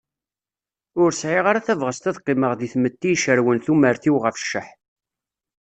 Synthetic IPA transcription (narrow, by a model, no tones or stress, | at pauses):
ʊɾsʕɪʁaɾaθævʁəst̪æðqːɪməʁðiθmət̪ːijʃəɾwənθuməɾθiwʁəfʃːəħ